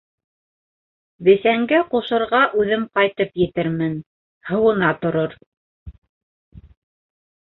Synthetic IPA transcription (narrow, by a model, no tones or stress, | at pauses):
βɘ̆sæŋɡæquʃɤ̆ɾʁɑʔʉðɘmqɑjt̪ɤpjɘ̆t̪ɘɾmɘn | hɤ̆wɤ̆nɑt̪ŏɾoɾ